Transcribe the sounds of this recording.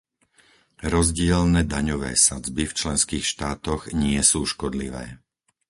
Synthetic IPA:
ɾɔzɟɪɛlnɛːd̪aɲɔʋɛ̰ːsad͡zbift͡ʃlɛnskiːxʃt̪aːt̪ɔɣɲɪɛsuːʃkɔd̪liʋɛ̰ː

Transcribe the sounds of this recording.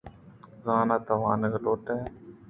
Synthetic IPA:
zaːnaːt̪ɐʋaːnəɡloːʈeː

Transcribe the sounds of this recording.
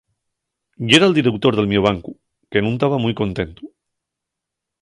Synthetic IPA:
jeɾald̪iɾekt̪oɾðe̞lmjoβ̞aŋku | kenũnt̪aβamujko̞nt̪ẽ̞nt̪u

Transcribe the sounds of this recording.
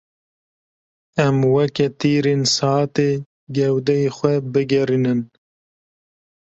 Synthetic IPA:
ɛmwɛkɛt̪iːɾensɑːt̪eː | ɡɛwd̪ɛjexʷɛbɨɡɛɾinɨn

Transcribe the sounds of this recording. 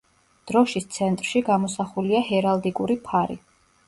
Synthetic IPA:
d̪̥ɾɔʃist̪sʰɛnt̪ʼɾʃiɡamɔsaχuliaɦɛɾald̪ikʼuɾipʰaɾḭ

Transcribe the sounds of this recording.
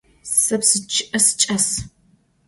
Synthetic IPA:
sɐpsɨt͡ʃʰɪʔɐsɨ̥t͡ʃʼɐs

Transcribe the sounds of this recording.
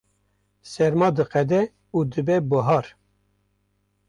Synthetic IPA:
sɛɾmɑːd̪ɨqɛd̪ɛ | uːd̪ɨbɛbəɦɑːɾ

